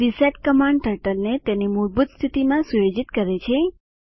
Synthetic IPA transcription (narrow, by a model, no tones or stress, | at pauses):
ɾiseʈkəmãɳɖʈəɾʈəlnet̪enimuɾbut̪st̪ʰit̪imãsujod͡ʒit̪kəɾet͡ʃʰe